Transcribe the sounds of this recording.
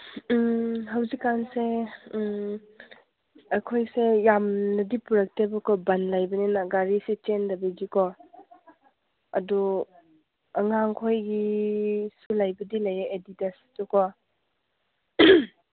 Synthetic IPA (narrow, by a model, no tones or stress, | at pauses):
ɦawzikːanse | ɐkʰojsejamnɐdipuɾɐk̚tebɐkɔbanlajbɐnenaɡaɾiset͡ʃendɐbiɡikʰɔ | ɐdu | ɐŋaŋkʰojɡi | sulajbɐdilajeʔeditastɔkʰɔ